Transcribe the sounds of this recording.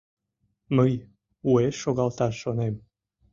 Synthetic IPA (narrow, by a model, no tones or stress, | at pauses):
məj | ueʃʃoɣɑlˠt̪ɑʃʃonem